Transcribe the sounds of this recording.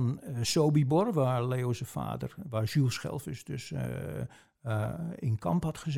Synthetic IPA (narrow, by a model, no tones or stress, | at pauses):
nsowbibɔrʋaɹleːosəfa̰ːdərʋaːɹʃylˠsχɛ̰lˠfɪsdø̰s | ɪ̰nkʰɑ̰mphɑtχəz